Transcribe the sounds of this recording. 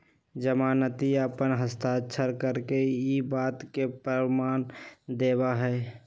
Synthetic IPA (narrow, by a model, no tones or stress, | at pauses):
d͡ʒəmaːnət̪iəpənɦəst̪aətːʃʰəɾkəɾkeibaːt̪kepɾəmaːnd̪eːbaɦɛ